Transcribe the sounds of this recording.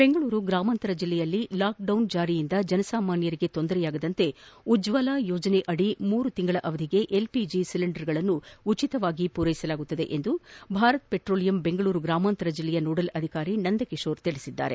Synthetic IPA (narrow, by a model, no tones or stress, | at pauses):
beŋɡɐɭuːɾuɡɾaːmaːnt̪ɐɾɐd͡ʒilːɛjɐlːilaːk̚ɖɐwnd͡ʒaːɾijind̪ɐd͡ʒɐnɐsaːmaːnjɐɾiɡe̞t̪ond̪ɐɾɛjaːɡɐd̪ɐnt̪e̞ud͡ʒʋɐlaːjoːd͡ʒɐneʔɐɽimuːɾut̪iŋɡɐɭɐʔɐʋɐd̪ʱiɡe̞ʔelpid͡ʒisiliɳɖɐɾɡɐɭɐnːuut͡ʃit̪ɐʋaːɡipuːɾɐjisɐlaːɡut̪ːɐd̪e̞̰ʔe̞nd̪ubʱaːɾɐt̪̚peʈɾo̞ːlijɐmbe̞ŋɡɐɭuːɾuɡɾaːmaːnt̪ɐɾɐd͡ʒilːɛjɐnoːɽɐlɐd̪ʱikaːɾinɐnd̪ɐkiʂo̞ːɾt̪iɭisid̪ːa̰ːɾe̞̰